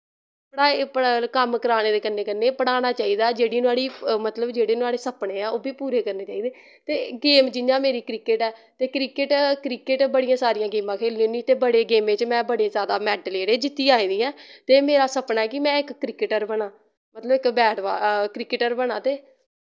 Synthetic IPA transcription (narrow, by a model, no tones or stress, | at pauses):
pɽaːpəkəmkəɾaːneːd̪eːkənːeːkənːeːpəɽaːnaːt͡ʃaːiːd̪aːd͡ʒeːɽiːnũaːɽiːmət̪ləbd͡ʒeːɽeːnũaːɽeːsəpɳeːɛːoːbiːpuːɾeːkəɾneːt͡ʃaːiːd̪eː | t̪eːɡeːmd͡ʒɪnãːmeːɾiːkɾɪkɪʈɛːt̪eːkɾɪkɪʈkɾɪkɪʈbəɽijãːsaːɾijãːɡeːmãːkʰeːliõnd̪it̪eːbəɽeːɡeːmẽːt͡ʃmɛ̃ːbəɽeːzjaːd̪aːmɛːɖleːɽeːd͡ʒɪt̪ːiːaːĩːd̪iːɛ̃ːt̪eːmeːɾaːsəpnaɛːkɪmɛ̃ːɪkːɾɪkɪʈəɾbəɽaː | mət̪ləbɪkbɛːɖʋa̰ːkɾɪkɪʈəɾbəɽãːt̪eː